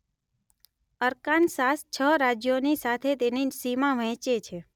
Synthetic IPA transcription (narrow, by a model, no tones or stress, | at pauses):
əɾkansast͡ʃʰəɾad͡ʒjonisat̪ʰet̪enisimãʋɛ̃t͡ʃet͡ʃʰe